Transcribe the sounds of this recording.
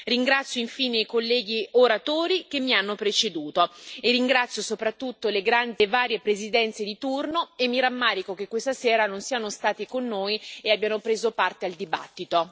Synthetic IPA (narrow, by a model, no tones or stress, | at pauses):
riŋɡɾat̪sjoiɱfiːneikolːɛːɡioɾat̪oːɾik̟emːianːopɾet͡ʃed̪uːt̪oerːiŋɡɾat̪sːjosopɾat̪ːut̪ːoleɡɾand̪evaːɾjepɾezid̪ɛnt̪sed̪it̪urnoemːiɾamːaːɾikok̟ekːwest̪asɛːɾanonsianost̪aːt̪ikonːoːjeabːjanopɾeːzopart̪eald̪iba̰t̪ːit̪o